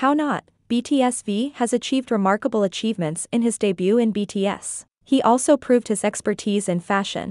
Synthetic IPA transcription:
haʊnət̚ | b̥itʰiɛsviɨzɨt͡ʃʰivd̚ɹɨmɑɹkəbl̩ˠət͡ʃʰivmɨ̃ntsɨ̃nɨzdɨbjʉɨ̃nbitʰiɛ̰s | hiʔɔlˠsoʊpʰɹ̥ʉvd̚hɨzɛkspə˞tʰizɨ̃nfæʃɨ̰̃n

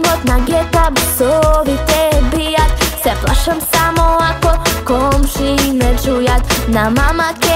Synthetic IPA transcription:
mot̪naɡɛt̪abesovit̪ɛbijat̪sɛfla̰ʃɛmsamoakɔlkomʃimɛʃujat̪namamakɛ

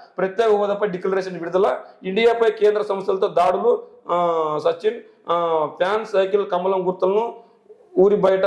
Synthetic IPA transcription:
pɾɐt̪jeːkuɐːd̪ɐpːɐjɖiklɐɾeːʃɐɳnʋiɾud̪ɐlɐiɳɖijaːpɐjkeːnd̪ɾɐsɐmɐsjɐlɐt̪o̞ːd̪aːɽulu | sɐt͡ʃːin | pʰjaːnsɐjkilkɐmːɐlɐmɡuɾt̪ulɐnu | uːɾibɐjʈɐ

